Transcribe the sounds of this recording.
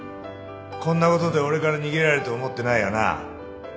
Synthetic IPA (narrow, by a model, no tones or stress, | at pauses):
kõ̞nːako̞t̪od̪e̞o̞ɾe̞kaɾaɲ̟iɡʲe̞ɾaɾeɯt̪o̞ːmo̞t̪ːe̞naijona̰